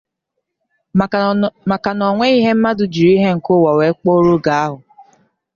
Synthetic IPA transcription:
ma˨ka˨nɔ˨ŋʷe˦i˦ɦe˦m̩˦ma˦dʊ˨d͡ʒi˨ɾi˦ɦe˦ŋ̩˨kʊ˦wa˨we˨˦k͡po˦ɾu˦ɡa˨a˦ɦʊ˨

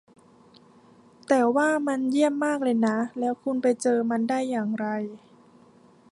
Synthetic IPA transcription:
t̪ɛː˨˩waː˥˩ma˧nji˥˩əmːaː˥˩k̚lɤː˧jna˦˥lɛː˦˥wkʰu˧npa˧jt͡ɕɤː˧ma˧ndaː˥˩jːaː˨˩ŋɾa˧j

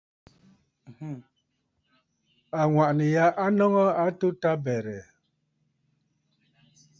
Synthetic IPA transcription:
a˨ŋwa˨ʔni˨ja˦ʔa˦nɔ˦ŋɔ˦a˦tu˦ta˦bɛ˨ɾɛ˨

